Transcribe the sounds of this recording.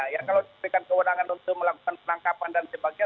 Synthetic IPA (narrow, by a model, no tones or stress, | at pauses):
jakalawdibəɾikankəwənaŋanunt̪ʊk̚məlakukanpənaŋkapandansəbaɡia